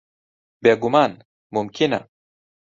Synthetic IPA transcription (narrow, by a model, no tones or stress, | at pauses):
beɡuman | mumkʰina̰